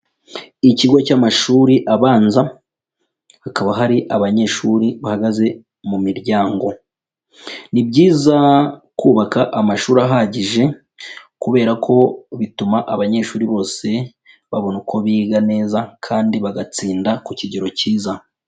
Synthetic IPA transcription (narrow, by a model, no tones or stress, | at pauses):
iciɡo̞camaʃuːɾiʔaβaːnza | hakaβaɦaɾiʔaβaɲe̞ʃuːɾiβahaɡaze̞ | mumiɾɟaːŋɡo̞ | nibɟiːzakuːβakaʔamaʃuːɾaɦaɟiʒe̞ | kuβe̞ːɾakʰo̞βitumaʔaβaɲe̞ːʃuːɾiβo̞ːse̞ | βaβo̞nukʰo̞βiɡane̞ːzakʰaːndiβaɡat͡siːndakuciɟiɾo̞ciːza